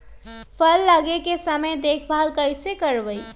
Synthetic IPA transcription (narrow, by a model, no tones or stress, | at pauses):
pʰəlːəɡekesəməjd̪eːkʰbʱaːlkəɪsekəɾʋəi